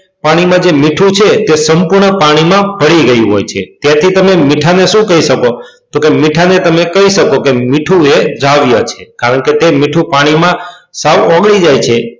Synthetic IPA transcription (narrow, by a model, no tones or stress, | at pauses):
paɽ̃imãd͡ʒemiʈʰũt͡ʃʰet̪esəmpuɾɳəpaɽ̃imãbəɽiɡəjũɦo̰jt͡ʃʰḛt̪jat̪ʰit̪əmemiʈʰaneʃũkəiʃəko | t̪okemiʈʰanet̪əmekəɦiʃəkokemiʈʰued͡ʒaʋjət͡ʃʰekaɾəɳket̪emiʈʰũpaɽ̃imãsaʋɔɡɭid͡ʒajt͡ʃʰe